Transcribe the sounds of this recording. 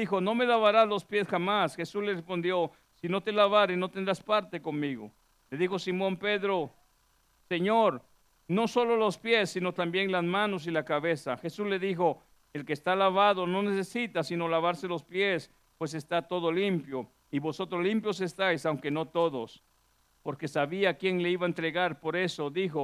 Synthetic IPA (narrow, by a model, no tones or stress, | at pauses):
ðixo̞no̞me̞laβaɾazlo̞spje̞sxamasxe̞suzlerespo̞nd̪jo̞ | sino̞t̪e̞laβaɾeno̞t̪end̪ɾaspaɾt̪e̞ko̞nmiɣo̰ | le̞ðixo̞simõ̞mpe̞ðɾo | se̞ɲoɾ | no̞so̞lo̞lo̞spje̞sːino̞t̪ambje̞nlazmãno̞s̬ilakaβe̞saxe̞suzle̞ðixo̞ | e̞lke̞ːst̪alaβaðono̞ne̞se̞sit̪asino̞laβaɾse̞lo̞spjes | pwe̞s̬e̞st̪at̪o̞ðolimpjo̞ | iβo̞so̞t̪ɾozlimpjo̞s̬e̞st̪ajsawŋke̞no̞t̪o̞ðos | po̞ɾke̞saβiakje̞ŋle̞iβaent̪ɾe̞ɣaɾpo̞ɾe̞so̞ðixo